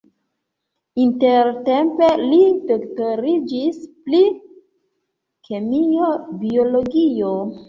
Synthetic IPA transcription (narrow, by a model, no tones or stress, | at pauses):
inteɾte̞mpe̞lidoktoɾid͡ʒispli | kʰe̞miobio̞lo̞ɡio